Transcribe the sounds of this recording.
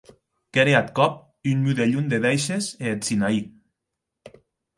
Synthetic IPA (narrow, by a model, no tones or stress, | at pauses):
keɾeat̪kɔp̚ | ynmyðeʎund̪eðejʃeseːsinai